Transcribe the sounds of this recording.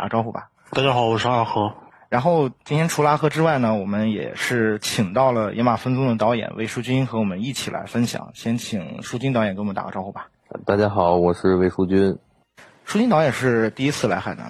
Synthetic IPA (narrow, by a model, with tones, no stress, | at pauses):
t̪a̰˨˩˧ʈ͡ʂɑ˥ʊxu˥˩ba̰˨˩ | t̪a˥˩t͡ɕja˥xɑ˨˩˦ʊwɔ˨˩ʂ̩˥a˥˩xɤ˧˥ | ɻa˧˥nxo˥˧ʊt͡ɕi˥nt̪ʰjɛ˥nʈ͡ʂʰu˧˥la˥xɤ˧˥ʈ͡ʂɻ̩˥wa˥˩ɪnə˩wɔ˨˩mə˦njɛ̰˨˩ʂɻ̩˥˩t͡ɕʰi˨˩ŋt̪ɑ˥˩ʊlə˩jʔɛ˧˥ma˨˩fə˥nt͡sʊ˥ŋd̪ə˨t̪ɑ˧˥ʊjɛ̰˨˩nwe˥˩ɪʂu˥˩t͡ɕy˥nxɤ˧˥wɔ˨˩mə˦ni˥˩t͡ɕʰi˨˩lʔa̰˧˥ɪfə˥nɕjɑ̰˨˩˦ŋɕjɛ˧˥nt͡ɕʰi˨˩ŋʂu˥˩t͡ɕy˥nt̪ɑ˧˥jɛ˨˩nkwt̪a̰˨˩˥ʈ͡ʂɑ˥ʊxu˥˩bḁ˩˧t̪a˥˧˩t͡ɕja˥xɑ˨˩˦ʊwɔ˨˩ʂɻ̩˥˧we˥˩ɪʂu˥t͡ɕy˥n | ʂu˥t͡ɕy˥nt̪ɑ˧˥ʊjɛ˨˩nʂɻ̩˥˧t̪i˥˧i˥t͡sʰɹ̩˥˩la˧˥ɪxa˨˩na̰˧˥